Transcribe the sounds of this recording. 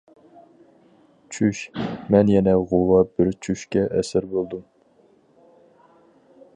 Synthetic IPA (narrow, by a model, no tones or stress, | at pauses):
t͡ʃʰyʃmɛnjɛnɛʁowɑbɪɾt͡ʃʰyʃkʲɛʔɛsɪɾbolˠd̪um